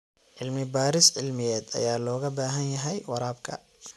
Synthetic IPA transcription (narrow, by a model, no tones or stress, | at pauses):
ʕɪlmɪbaːɾɪsʕɪlmɪjɛːd̪ɐ̰jaːlɔːɣɐbaːɦɐnjɐɦɛjwɑɾaːbkʰɐ̰